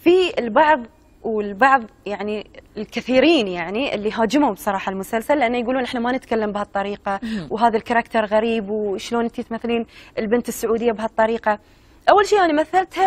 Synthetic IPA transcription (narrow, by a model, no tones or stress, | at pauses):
fiɪlbɑʕðˤ | wɪlbɑʕðˤjaʕnilkɪθiːɾiːnjaʕniʔɪ̰lːiɦaːd͡ʒɪmhʊmbsˤɑɾˤɑːħalmʊsalsalːʔanːajɡuːluːnʔɪħnamanɪt̪kalːambɪhat̪ˤːɑɾiːqɑwɦaːðalkɑɾˤɑkt̪ɑɾˤɣaɾiːbwʃloːnʔɪnt̪it̪maθːaliːnʔɪlbɪnt̪ɪsːʊʕuːd̪ɪjːabhat̪ˤːɑɾiːqɑ | ʔawːalʃiːʔaːnimaθːalt̪ha